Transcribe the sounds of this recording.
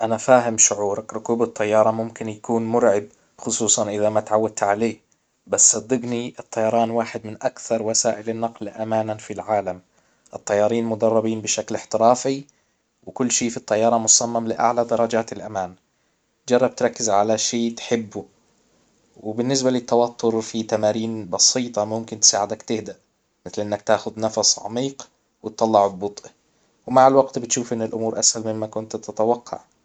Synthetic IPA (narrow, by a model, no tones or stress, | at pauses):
ʔanafaːɦɪmʃʊʕuːɾˤɑkɾʊkuːbɪt̪ˤːɑjːɑːɾˤɑmʊmkɪnjakuːnmʊɾʕɪb̚ | xʊsˤuːsˤɑnʔɪðamat̪ʕawːad̪̚t̪ʕaleː | basːɑd̪ːɪɡniʔɪt̪ˤːɑjɑɾˤɑːnwaːħɪd̪mɪnʔakθɑɾˤwasaːʔɪlɪnːɑqlʔamaːnanfilʕaːlam | ʔɨt̪ˤːɑjːɑːɾiːnmʊd̪ɑrˤːɑbiːnbɪʃaklɪħt̪ɪɾɑːfi | wɪkʊlːʃiːfit̪ˤːɑjːɑːɾˤɑmʊsˤɑmːamlɪʔa̰ʕlad̪ɑɾˤɑd͡ʒaːt̪ɪlʔamaːn | d͡ʒɑrˤːɑb̚t̪ɾˤɑkːɪzʕalaʃiːt̪ħɪbːu | wɪbɪnːɪs̬balɪt̪ːawat̪ːʊɾfit̪amaːɾiːnbɑsˤiːt̪ˤɑmʊmkɪnt̪ɪ̥saːʕɪd̪akt̪ɪhd̪aʔ | mɪθlʔɪnːakt̪aːxʊd̪nɑfɑsˤʕɑ̰miːq | wɪt̪ˤːɑlːɑʕbbʊt̪ˤʔi | wɪmaʕalwaɡt̪bɪt̪ʃuːfʔɪnːɪlʔʊmuːɾʔashalmɪmːakʊnt̪t̪ɪt̪awɑqʰːɑ̰ʕ